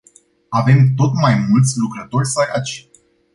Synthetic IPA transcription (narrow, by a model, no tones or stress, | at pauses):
ave̞mt̪o̞t̪majmult̪sʲlukɾət̪o̞rʲsajʔat͡ʃi̥